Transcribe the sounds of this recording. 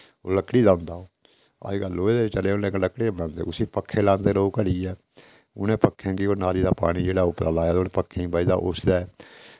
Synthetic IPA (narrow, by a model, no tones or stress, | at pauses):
o̰ːləkːɽiːdãːʊnd̪aːoː | a̰ːiɡəlːoːeːd̪eːt͡ʃəleːʊnẽːləkːɽeːbnãːnd̪ḛːʊsiːpəkʰːeːlãːnd̪eːloːkəɾiːɛː | ʊ̰nẽːpəkʰːẽːkioːnaːɾiːd̪aːpa̰ːɽ̃iːd͡ʒeːɽaːʊpɾa̰ːlaːɛːd̪oːɽpəkʰːẽĩːbaːid̪a̰ːʔʊsd̪ɛː